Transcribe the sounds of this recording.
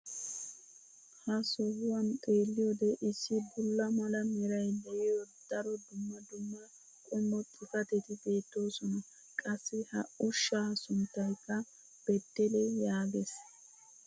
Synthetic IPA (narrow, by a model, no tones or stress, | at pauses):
hɐsɔɡʊwɐnt̪ʼeːlːɪjɔd̪ɛʔɪsːɪbʊlːɐmɐlɐmɛɾɐjd̪ɛʔɪjɔd̪̥ɐɾɔd̪ʊmːɐd̪ʊmːɐ | kʼʊmːɔt̪ʼɪfɐt̪ɛt̪ɪbe̞ːt̪ːo̞ːsɔnɐ | kʼɐsːɪhɐʊʃːaːsʊnt̪ːɐjkːɐ | b̥ɛt̪ːɛlɛjaːɡɛs